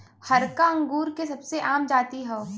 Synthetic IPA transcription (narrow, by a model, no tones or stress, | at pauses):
hɐɾkaɐ̃ŋɡuːɾkesɐbseʔaːmd͡ʒaːt̪iɦɛoː